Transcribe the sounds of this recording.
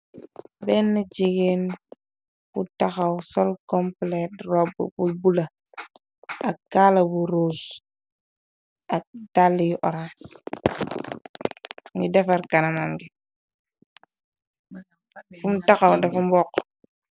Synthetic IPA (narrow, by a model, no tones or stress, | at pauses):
bɛnːad͡ʒiɡen | futaxawsɔlkɔmplɛtɾɔb̰bubula | akːalabuɾos | adalːijʔɔɾa | ŋɡidɛfaɾkananaŋɡi | fumtaxawdafumbɔk